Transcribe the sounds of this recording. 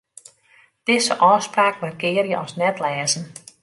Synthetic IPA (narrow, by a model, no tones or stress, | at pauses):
d̥ɪzəʔɔːspraːkʋarɡɪːəɾjəʔɔsnɛtlɛːzn̩